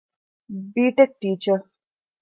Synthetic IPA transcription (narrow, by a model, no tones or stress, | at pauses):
biːʈek̚ʈiːt͡ʃəɾ